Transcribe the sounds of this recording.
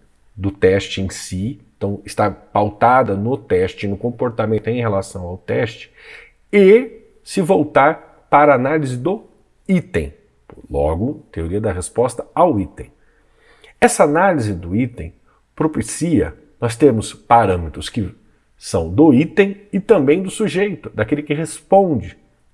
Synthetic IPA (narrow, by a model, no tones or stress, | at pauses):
d̪ʊt̪ɛst͡ʃɪẽj̃sĩt̪ɐ̃w̃ɪst̪apawt̪ad̪ɐnʊt̪ɛst͡ʃɪnʊkõmpoɾt̪amẽnt̪ʊẽj̃ɦelasɐ̃w̃awt̪ɛst͡ʃɪ̥ | ɪ | sɪvowt̪aɾ | paɾɐːnalizɪd̪ʊ | it̪ḛ̃j̃ | plɔ̰ɡʊt̪eoɾiɐd̪ɐɦespɔst̪ɐawit̪ẽj̃ | ɛsɐanalizɪd̪ʊit̪ḛ̃j̃ | pɾopisiɐ̰ | nɔst̪eɾmʊspaɾɐ̃met̪ɾʊskɪ | sɐ̃w̃d̪ʊit̪ẽj̃ɪt̪ɐ̃mbẽj̃d̪ʊsuʒejt̪ʊd̪akelɪkɪɦespõd͡ʒɪ